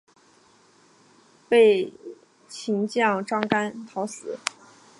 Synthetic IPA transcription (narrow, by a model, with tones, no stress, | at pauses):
pe˥˩ɪ | t͡ɕʰi˧˥ŋt͡ɕjɑ˥˩ŋʈ͡ʂɑ˥ŋka˥nt̪ʰɑ˧˥ʊsɹ̩˨˩˦